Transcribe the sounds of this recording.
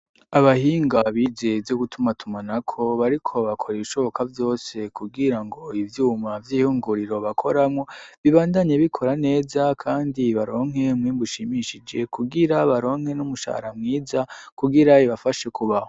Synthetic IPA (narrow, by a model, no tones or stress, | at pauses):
aβahiːŋɡaβizevoɡutumatʰumanakʰo̞βaɾikʰo̞βakʰo̞ɾeβiʃo̞βo̞kʰavjo̞ːse̞kuɡiɾaŋɡo̞ivjuːmavjiːhuːŋɡuɾiɾo̞βakʰo̞ɾamŋo̞βiβaːndaɲeβikʰo̞ɾane̞ːzakʰaːndiβaɾo̞ːŋɦe̞mŋwiːmbuʃimiʃid͡ʒe̞kuɡiɾaβaɾo̞ːŋhe̞numuʃa̰hɾamŋiːzakuɡiɾaiβafaʃe̞kuβaho